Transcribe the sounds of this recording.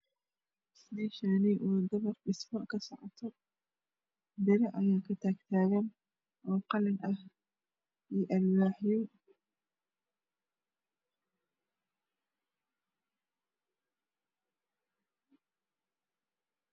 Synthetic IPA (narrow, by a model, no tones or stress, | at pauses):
sd̪iːʃaːnɪʔuːd̪ɐβɐrɖɪsmɐkʰɐsɔʕɔt̪ʰɔ | bɪɾɐʔɐjaːkʰɐt̪ʰaːɡt̪ʰaːɣɐn | ʔɔːqɑlɪnʔɐh | iːʔɐlwaːħjɔ